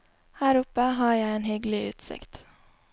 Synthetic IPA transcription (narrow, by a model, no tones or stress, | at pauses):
hæːɾʊpəhɑːjæɪeːnhʏɡlɪʔʉːt̪sɪ̰kt̪